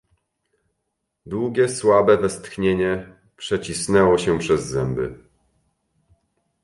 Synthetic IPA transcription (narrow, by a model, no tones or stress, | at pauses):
d̪wuɡʲjɛswabɛvɛst̪xɲeɲɛ | pʂɛt͡ɕisnɛwɔɕɛpʂɛzːɛmbɘ̰